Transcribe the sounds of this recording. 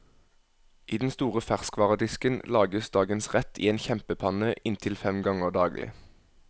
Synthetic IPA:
ʔiːd̪nst̪uːʁəfæʁskʰʋɑːʁəd̪ɪskənlɑːɡəsd̪ɑːɡənsʁɛt̪ʰḭːeːnçɛmpəpʰɑnəʔɪnt̪ʰɪlfɛmɡɑŋəʁd̪ɑːɡlʔɪ̰

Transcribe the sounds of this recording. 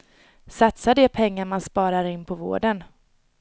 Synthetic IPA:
sat̪sad̪ɛpʰɛŋːaɾmanspɑːɾaɾɪnːpʰɔvo̰ːɖən

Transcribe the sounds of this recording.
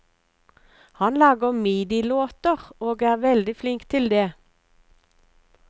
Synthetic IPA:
hɑnlɑːɡəmiːd̪ɪloːt̪əʁoːɡæːʁʋɛld̪ɪflɪŋkt̪ʰɪld̪eː

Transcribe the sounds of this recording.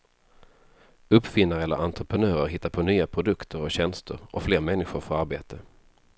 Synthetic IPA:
ɵpːfɪnːaɾəɛlə̰ɾʔant̪ɾəpʰɾənøːɾəɾɦɪt̪ːaɾpʰonyːapʰɾʊd̪ɵkt̪ʰəɾɔɕɛnst̪ə̰ɾɔ̰fleːɾmɛnːɪɧʊɾfœɾaɾbeːt̪ʰə

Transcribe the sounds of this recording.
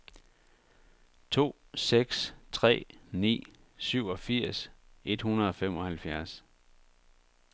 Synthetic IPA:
t͡sʰo̝̰ː | seɡ̥st͡sʰʁɛ̰ːnḭː | syʊ̰ɒ̽fiɐ̰sʔe̝d̥hunɐð̩ˠɒ̽fem̰ɒ̽hælfjæɐs

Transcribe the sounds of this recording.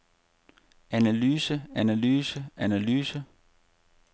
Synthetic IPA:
ænælyːsəænælyːsəʔænælyːsə

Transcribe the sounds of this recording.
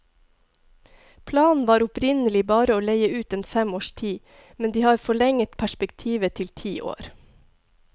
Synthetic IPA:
pʰlɑːnn̩ʋɑːɾʊpɾɪnəlɪbɑːɾəoːleɪəʉːt̪eːnfɛmoːʃtʰiː | mɛnd̪iːhɑːɾfɔɭɛŋət̪pʰæʃpɛkt̪ʰiːʋət̪ʰɪlt̪ʰiːʔo̰ːɾ

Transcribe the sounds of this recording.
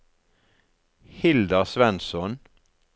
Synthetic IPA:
hɪld̪ɑsʋɛnsɔn

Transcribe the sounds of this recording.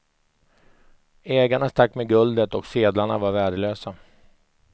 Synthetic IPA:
ɛːɡaɳast̪akːmɛɡɵld̪ət̪ɔkseːd̪laɳavaɾvæːɖəløːsa

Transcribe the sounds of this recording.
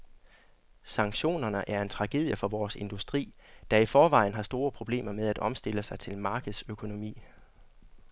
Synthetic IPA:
sɑ̈ŋ̥ɕo̝̰ːnɐnəʔæɐe̝nt͡sʰʁɑ̈ɡ̥e̝ðˠjəfɒ̽ʋɒːse̝nd̥usd̥ʁḭːd̥ɑ̈ifɒːʋɑ̈ɪ̰n̩ɦɑ̈sd̥o̝ːɐpʰʁo̝b̥le̝̰ːmɐmeð̞ˠæd̥ɒ̽msd̥e̝ləsɑ̈ɪt͡sʰe̝lmɑ̈ːɡ̥ð̩ˠsøkʰo̝no̝mḭː

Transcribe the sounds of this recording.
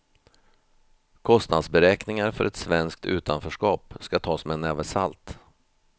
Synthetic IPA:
kʰɔst̪nad̪sbɛɾɛːknɪŋaɾfœɾɛt̪svɛnskt̪ʰʉ̟̰ːt̪ʰanfœʂkɑːpskat̪ʰɑːsmɛnːɛvəsa̰lt̪

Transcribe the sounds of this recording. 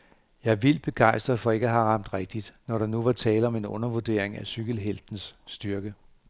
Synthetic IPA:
jɑ̈ɪʋil̰b̥e̝ɡ̥ɑ̈ɪsd̥ʁɐfɒ̽e̝ɡ̥əæɦɑ̈ʁɑ̈m̰d̥ʁɛɡ̥̚d̥id̥nɒɾɑ̈nuʋɑ̈t͡sʰɛːləɒ̽me̝nɔ̽nɐʋud̥e̝̰ɐ̰eŋæsyɡ̥əl̩ɦeld̥n̩sːd̥yɐɡ̥ə

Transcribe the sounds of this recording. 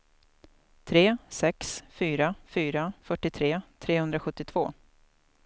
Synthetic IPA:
t̪ʰɾeːsɛksfyːɾafyːɾafœʈːɪt̪ʰɾeːt̪ʰɾeːhɵnd̪ɾaɧɵt̪ːɪt̪ʰv̥oː

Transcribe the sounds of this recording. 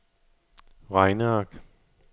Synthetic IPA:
ʁɑɪnəɑɡ̥

